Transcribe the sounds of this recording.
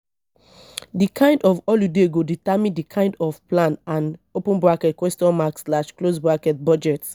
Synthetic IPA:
dikʰãɪ̃ndɔfɔljudeɡoditamĩndikʰãɪ̃ndɔfplãnãnopũnbɹakɛtkwɛstɔ̃nmakslaʃklosbɹakɛt̚bɔd͡ʒɛt

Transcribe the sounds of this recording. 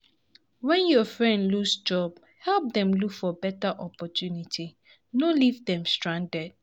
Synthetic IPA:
wɛ̃njɔfɹɛ̃ndlusd͡ʒɔb̥ | hɛlp̚ðɛ̃mlukfɔbɛtaʔɔpɔtʰjunitʰi | nolivðɛ̃mstɹãndɛd̥̚

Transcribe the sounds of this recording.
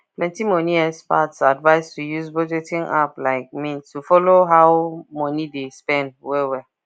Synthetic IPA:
plɛ̃ntimɔniɛspatsadvaɪstujuzbɔd͡ʒɛtĩŋaplaɪk̚mĩntufɔloɦawmɔ̃nidespɛ̃nd̚wɛwɛ

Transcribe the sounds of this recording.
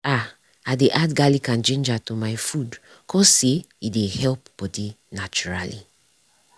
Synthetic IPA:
a | adeʔadɡalikãnt͡ʃẽnd͡ʒatomaɪfud | kʰɔsse | idehɛlp̚b̥ɔdi | nat͡ʃuɹalḭ

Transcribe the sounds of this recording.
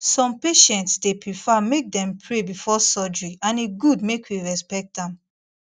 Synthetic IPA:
sɔ̃mpeʃɛ̃ntsdepɹifamek̚dɛ̃mpʰɹebifɔsɔd͡ʒɹiãneɡudmekʰwiɹɛspɛk̚tãm

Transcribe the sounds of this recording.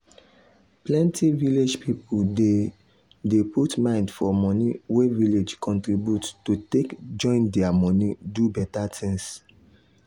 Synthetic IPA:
plɛ̃ntʰiviled͡ʒpʰipulde | deputmãɪ̃ndfɔmɔniweviled͡ʒkʰɔ̃ntɹibjuttutekd͡ʒɔ̃ɪ̃ndɛamɔnidubɛtatʰĩŋs

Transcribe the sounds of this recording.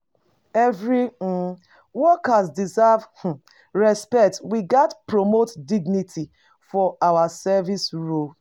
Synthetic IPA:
ɛvɹi | wɔkasdizavh̩ | ɹɛspɛktwiɡatpɹomotdiɡnitʰi | fɔawasɛvisɹul

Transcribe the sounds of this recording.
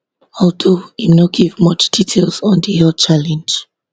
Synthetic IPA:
ɔldoinaɡivmʌt͡ʃd̥itʰelˠsɔ̃ndiɛt͡ʃalɛ̃nd͡ʒ

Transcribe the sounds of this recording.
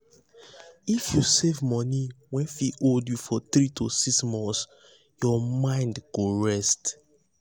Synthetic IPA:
ifjusevmɔniwɛ̃nfiʔoldjufɔθɹitʰosiksmɔ̃ns | jɔmãɪ̃ndɡoɹɛst

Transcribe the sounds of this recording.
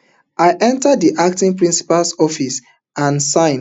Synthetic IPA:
ʔajʔɛ̃ntadiʔak̚tĩŋpɹĩnsi̥palsɔfis | ãnsãɪ̃n

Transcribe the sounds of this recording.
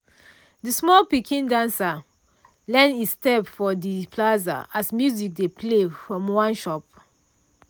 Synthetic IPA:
dismɔlpikʰĩndãnsa | lɛ̃nistɛpfɔdipʰlaza̰asmjuzik̚depʰlefɹɔ̃mwãnʃɔp̚

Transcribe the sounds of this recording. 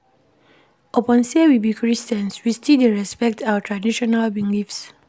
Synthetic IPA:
ɔpɔ̃nsewibikɹistɛ̃nswistideɹɛspɛk̚tʰawətʰɹadiʃɔnalbĩŋɡifs

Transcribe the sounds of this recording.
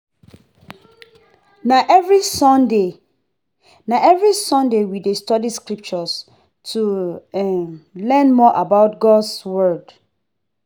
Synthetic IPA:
naʔvɹisɔnde | naɛvɹisɔ̃ndewidestɔdiskɹip̚t͡ʃɔs | tʰuɛlɛ̃nmɔʔabaʊtɡɔdswɜd̥

